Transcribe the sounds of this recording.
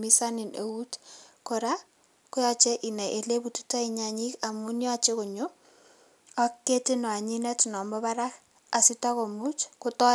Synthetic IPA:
mi˦sa˦nɪ˨ne˨u˦tkɔ˨ɾa˦ | kʊ˦jat͡ʃɛ˦ʔi˨na˨ʔe˨le˦butu̥˦ta˦iɲaɲi˦ka˨mu˦nja˨t͡ʃe˦ko˨ɲo˦ | a˦kːe˦ti˦nɔ˨a˨ɲi˦nɛ˦tnɔ˨mɔ˦βa˦ɾa˦k | a˨sɪ˦ta˦ko˨mu˦t͡ʃkʊ˦tɔ˦

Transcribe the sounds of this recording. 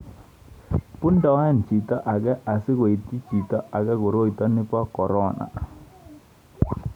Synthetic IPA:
pu˦nda˨wɛ˦nt͡ʃi˨t̪ɔ˦ʔa˨ɡɛ˦ʔa˨sɪ˦ko˨i˨ti˦t͡ʃi˨t̪ɔ˦a˨ɡɛ˦ko˨ɾo˦i˨t̪ɔ˦nɪ˦pɔ˦kɔ˨ɾɔ˦na̰˨

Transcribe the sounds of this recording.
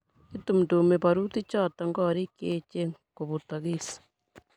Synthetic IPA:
itu˨m̩˨tume˨paɾuti˦t͡ʃa˦˨taŋɡɔɾi˦keːt͡ʃe˦ko˨βu˨ta˨ɣisḁ

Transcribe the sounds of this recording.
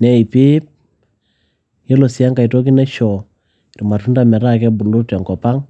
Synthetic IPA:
nɛ˦i˨pɪ˦p̚ | je˦lo˨sja˦ŋka˨i˨to˦ki˦nɛ˦ʃɔ˨ | rma˨tu˦nda˦mɛ˨ɾa˦kɛ˦bu˨lu˦ta˨ŋkɔ˨pa˦ŋ

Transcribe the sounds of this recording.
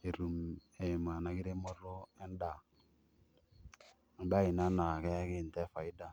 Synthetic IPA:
e˨ɾu˨m | e˨ma˨na˨˦ki˦ɾe˦mɔ˦ɾo˦ɛ˦n˦da˨ | n̩˨ba˦i˨na˦na˨kɛ˦kɪ˦˨n˨tɛ˦fa˨i˦da˨

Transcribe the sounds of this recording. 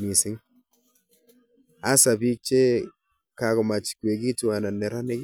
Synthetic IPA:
mi˨sɪ˦ŋ | a˦sa˨bi˦t͡ʃe˦ | ka˨kɔ˨ma˨t͡ʃi̥˨kwe˨ɡi˦tu˨wa˨na˨ne˨ɾa˦ne˦k

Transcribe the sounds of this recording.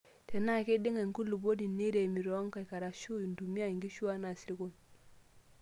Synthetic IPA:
te˨na˦˨ke˦di˦ŋa˨ŋku˦lːu˨bo˦di˨nːe˦de˨mi˨ɾo˨˦ŋka˨ka˨ɾa˨ʃu˦˨ndu˨mi˦a˦˨ŋɡi˦ʃu˦a˦na˨si˨ɾi˦ko˦n

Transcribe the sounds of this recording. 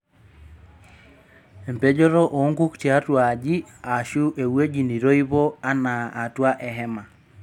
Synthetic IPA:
e˨mpe˦d͡ʒɔ˦ɾɔ˦ʔo˨˦ŋɡu˦kte˨a˦twa˨d͡ʒi˦a˨ʃu˦ʔe˨we˦d͡ʒi˨ni˨ɾo˦i˦βo˦a˦naː˨twa˦ʔɛ˨ɦɛ˦ma˨

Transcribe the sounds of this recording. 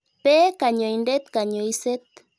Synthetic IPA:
pe˦ka˨ɲo˨jnɖe˦t̪ka˨ɲoiset̪

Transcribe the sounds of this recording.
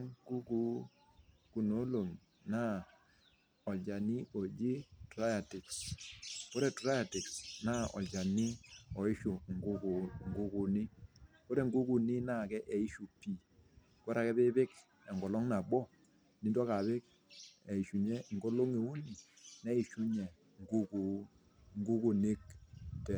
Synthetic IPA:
ŋku˦ku˦ | ku˨no˦lo˨m | na˦ | ɔ˨lt͡ʃa˨ni˦ʔo˨d͡ʒi˦tɾa˦ja˨tɪ˨ks | ko˦ɾɛ˨tɾa˦ja˨tɪ˨ksna˦ɔ̰˨lt͡ʃa˨ni˦ɔ˨ɪ˦ʃu˨ŋɡkŋ˨ɡu˦ku˨ni˦ko˦ɾɛ˨ŋɡu˦ku˨nɪ˦na˦˨kɛ˦ʔɛ˨i˦ʃu˨pi˨ | kɔ˦ɾa˨kɛ˦bɪ˦bɪ˦k | ɛ˨ŋɡɔ˨lɔ˦ŋna˨bɔ˦ | ni˨˦dɔ˦ka˨βɪ˦k̚ | ɛ˨i˨ʃu˨ɲɛ˦ŋ˨ɡo˦lo˦ŋe˨u˦ni˨nɛ˦i˨ʃu˦ɲɛ˨ | ŋɡu˦ku˨˦ | ŋɡu˦ku˨nɪ˦k̚tɛ˨

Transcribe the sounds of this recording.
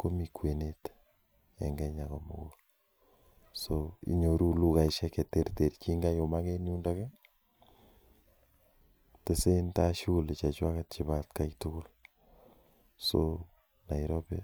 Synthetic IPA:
ko˦mikwe˨net | ɛ̰˨ŋɡɛ˦ɲa˨komo˨ko | soḭ˨ɲo˨ɾu˦lu˦ka˨iʃɛkete˦rte˨ɾt͡ʃi˦ŋɡa˦jo˨ma˦ke˦niu˦ndaka˦ | te˦se˦nta˦ʃu˦le˨t͡ʃa˨t͡ʃwa˦kat̚t͡ʃi˨βa˦tka˦itu˦ko˦l | so | na˨iɾobe˦

